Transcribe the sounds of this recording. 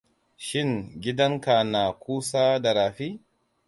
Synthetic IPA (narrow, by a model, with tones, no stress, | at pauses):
ʃɪ˦˨ŋɡʲɪ˦dɐ˦ŋka˨na˨kʷuː˦saː˦da˨ɾaː˨ɸi˦